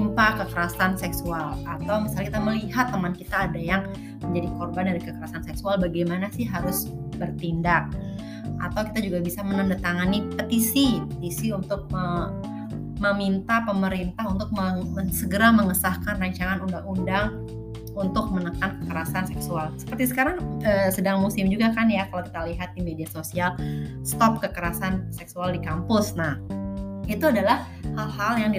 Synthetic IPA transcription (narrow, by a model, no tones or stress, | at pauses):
impakəkəɾasansɛksualat̪awmisalakit̪aməliɦat̪ːəmankit̪aːdajaŋ | məɲd͡ʒadikɔrbandaɾikəkəɾasansɛksualbaɡajmanasɪhɦaɾʊs | bərt̪indak̚ | ʔa̰t̪awki̥t̪ad͡ʒuɡabisamənandat̪aŋanipət̪isipət̪isiunt̪ʊk̚mə | məmint̪apəməɾint̪aɦunt̪ʊk̚məəsəɡəɾaməŋəsahkanraɲt͡ʃaŋanundaŋundaŋ | unt̪ʊk̚mənəkankəkəɾasansɛksualsə̥pərt̪isə̥kaɾaŋəːsədaŋmusɪmd͡ʒuɡakanjakalawki̥t̪aliɦat̪̚dimediasosialst̪ɔp̚kəkəɾasansɛksualdikampʊsnahit̪uadalah | halhaljaŋdi